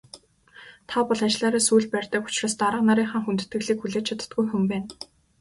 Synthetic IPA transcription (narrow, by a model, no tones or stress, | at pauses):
t̪ʰapɔɮant͡ɕ̆ɮaːɾaːsujɮpærʲt̪ə̆kʊ̥t͡ɕroːst̪aɾə̆qnaɾiːŋχaːŋxunt̪ɘ̥̆t̪ɡɘ̆ɣɮiːkxuɮeːt͡ɕt͡ɕʰat̪ə̥̆t̪̚ɡujxɵmpæːn